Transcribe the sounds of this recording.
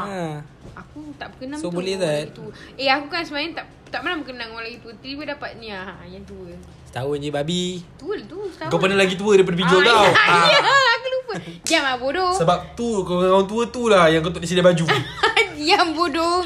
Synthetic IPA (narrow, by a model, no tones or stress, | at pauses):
a | akut̪aʔbəkənaŋobulɛt̪ait̪uəeakukansəmajat̪aʔ | t̪aʔmalambəkənaŋawlaɡit̪uət̪əibədapat̪̚nĩajaŋt̪uə | st̪aod͡ʒaibabit̪uəlt̪ust̪aɡapənəlaɡit̪̬uədajpadəpid͡ʒuabaw | akulupəd͡ʒiamabodosəbap̚t̪ukant̪̬uət̪ulahjaŋkət̪oʔdis̬idabad͡ʒu | ambodo